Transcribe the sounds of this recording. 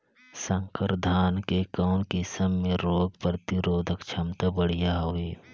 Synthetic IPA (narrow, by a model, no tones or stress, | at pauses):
sə̃ŋkəɾd̪ʱaːnkekəːnkɪsəmːẽɾoːɡpɾət̪ɪɾoːd̪ʱəkt͡ʃʰɐmt̪əbəɽ̤ijaɦoeː